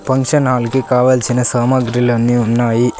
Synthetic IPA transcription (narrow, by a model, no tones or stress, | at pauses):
pɐŋkʃɐnɦaːlkekaːʋɐlt͡ʃʰinɐsaːmɐɡɾilɐnːiunːaːji